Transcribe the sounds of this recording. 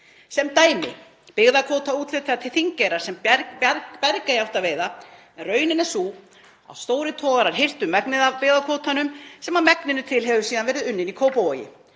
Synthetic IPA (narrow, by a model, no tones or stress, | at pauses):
sɛmt̪aːjmɪ̰ | pɪɣðakʰɔːt̪auːt̪lɪt̪ʰːat̪ʰɪlθiɲcɛjɾaɾ̥sɛmɾpɛɾkajawht̪aveːjða | ɛnrœːɥnɪnɛ̥suː | a̰wst̪oːwɾɪt̪ʰɔːɣaɾaɾ̥ɦɪr̥t̪ʏmːɛknɪðapɪɣðakʰɔːt̪ʰanʏmsɛmamɛknɪnʏt̪ʰɪlɦɛvʏsiːðanvɛːɾɪðʏnːɪnikʰoːwpowajɪ̰